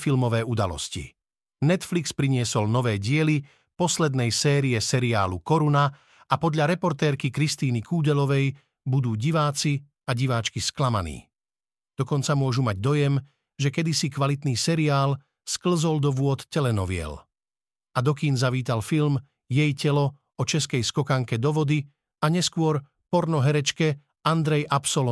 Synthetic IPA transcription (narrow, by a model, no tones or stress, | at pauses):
filmɔʋɛːud̪alɔ̰scḭ | nɛt̪flikspɾiɲɪɛsɔlnɔʋɛːɟɪɛli | pɔslɛd̪nɛjsɛːɾiɛsɛɾia̰ːlukɔɾuna | apɔd̪ʎaɾɛpɔɾt̪ɛːɾkikɾist̪iːnikuːɟɛlɔʋɛj | bud̪uːɟiʋaːt͡si | aɟiʋaːt͡ʃkisklama̰nḭː | d̪̥ɔkɔnt͡samʊɔʒumaɟd̪ɔjɛm | ʒɛkɛd̪isikʋalit̪niːsɛɾiaːl | skl̩zɔld̪ɔʋʊɔt̪cɛlɛnɔ̰ʋɪɛ̰l | ad̪ɔkiːnzaʋiːt̪alfilm | jɛjcɛlɔ | ɔt͡ʃɛskɛjskɔkaŋkɛd̪ɔʋɔd̪i | aɲɛskʊɔɾ | pɔɾnɔɦɛɾɛt͡ʃkɛ | and̪ɾɛjʔapsɔlɔ